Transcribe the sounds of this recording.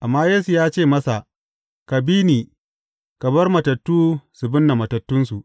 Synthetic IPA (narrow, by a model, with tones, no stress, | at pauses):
ʔa˨mːaː˦jeː˦su˨jaː˦t͡ʃeː˦˨mɐ˦sa˨ʔ | ka˨biː˦niː˨ | kɐ˨bɐ˦rmɐ˨tɐ˨tːuː˦sʊ˨bʊ˦nːa˨mɐ˨tɐ˨tːʊ˦nsu˨ʔ